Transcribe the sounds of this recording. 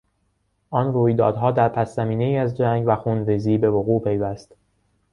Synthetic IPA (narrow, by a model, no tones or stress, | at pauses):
ʔɒnruːjd̪ɒ̰ːd̪ɦɒːd̪æɾpʰæsːæmiːneiːæzd͡ʒæŋɡvæxunɾiziːbe̞voɣuːpʰe̞jvæst̪